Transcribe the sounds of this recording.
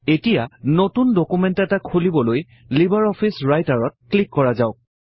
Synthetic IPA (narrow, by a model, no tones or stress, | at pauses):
etijanotundɔkumɛntɛtakʰolibɔloj | libaɹɔpʰisɹajtaɹɔt̚klikːɔɹazaʊk